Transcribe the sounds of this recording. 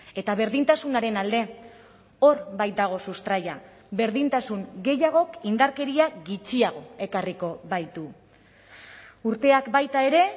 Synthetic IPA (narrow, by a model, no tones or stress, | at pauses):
e̞t̪aβe̞ɾðint̪asunaɾe̞nald̪e̞ | o̞ɾbajt̪̚d̪aɣ̞o̞sust̪ɾaja | be̞ɾðint̪asuŋɡe̞jaɣ̞o̞kind̪aɾke̞ɾiaɡit͡ʃiaɣ̞o̞e̞kariko̞βajt̪u | uɾt̪e̞akbajt̪ae̞ɾe̞